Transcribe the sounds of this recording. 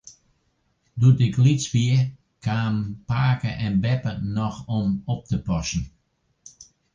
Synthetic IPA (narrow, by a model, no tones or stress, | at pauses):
dutɪklit͡sʋiə | kʰaːmpaːkəʔɛnbɛpənɔxɔmop̚təpɔsn̩